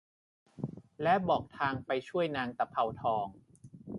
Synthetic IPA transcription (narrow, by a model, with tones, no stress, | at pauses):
lɛ˦˥bɔː˨˩k̚t̪ʰaː˧ŋpa˧jt͡ɕʰu˥˩əjnaː˧ŋt̪a˧˩pʰa˧wt̪ʰɔː˧ŋ